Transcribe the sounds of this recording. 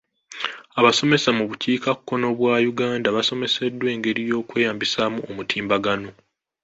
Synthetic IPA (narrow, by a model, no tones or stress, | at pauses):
aβaso̞me̞samuβuciːkakːo̞no̞βwaːjuɡaːndaβaso̞me̞se̞dːwe̞ːŋɡe̞ɾijo̞ːkwe̞ːjaːmbisamuomutʰiːmbaɡano̞